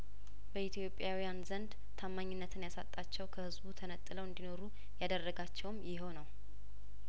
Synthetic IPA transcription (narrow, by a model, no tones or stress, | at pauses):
b̥əʔit̪ʰjo̞pʼːjawijanzənd̪ | t̪ʰamːaɲːɪnːət̪ʰɨnjasat̪ʼːat͡ʃːɛwkʰəhɨzbut̪ʰənət̪ʼːɨləwɨnd̪ino̞ɾu | jad̪ərːəɡat͡ʃːɛwmjɪɦonəw